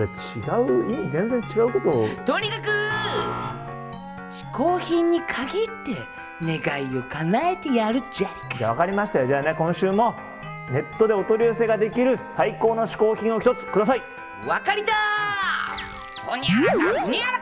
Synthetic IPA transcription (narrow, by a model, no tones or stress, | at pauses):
ɾet͡ɕiɡaɯ̟imʲizẽ̞nd͡zẽ̞ɲ̟t͡ɕiɡaɯ̟ko̞t̪ot̪o̞ɲ̟ʲikakɯ | ɕi̥ko̞ːçĩɲ̟ːikʰaɡʲit̪ːe̞ | ne̞ɡaio̞kanae̞t̪e̞jaɾɯ̟d͡ʑa | ɡaβakaɾʲimaɕi̥t̪ajod͡ʑaːne̞kõ̞ɕɨːmo̞ | ne̞t̪ːo̞d̪e̞ot̪o̞ɾʲiose̞ːɡad̪e̞kʲiɾɯ̟saiko̞ːno̞ɕi̥ko̞ːçĩɰ̃o̞çi̥t̪o̞t͡sɨ̥kɯ̟d̪asai | βakaɾʲit̪a | koɲʲ